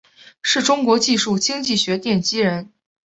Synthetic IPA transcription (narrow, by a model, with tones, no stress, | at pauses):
ʂɻ̩˥˩ʈ͡ʂʊ˥ŋkwɔ˧˥t͡ɕi˥˧ʂu˥˩t͡ɕi˥ŋt͡ɕi˥˩ɕɥɛ˧˥t̪jɛ˥˩nt͡ɕi˥ɻə˧˥n